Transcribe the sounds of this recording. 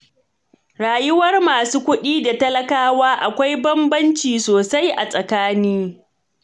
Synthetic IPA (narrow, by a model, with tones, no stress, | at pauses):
ɽaː˨jʊ˦wɐ˦rmaː˨suː˦kʷʊ˦ɗiː˦da˨tɐ˦lɐ˦kaː˦waː˦ʔa˨kʷa˦jbɐ˦mbɐ˦nt͡ʃiː˨soː˨sa˦jʔa̰˨sʼɐ˨kaː˦niː˦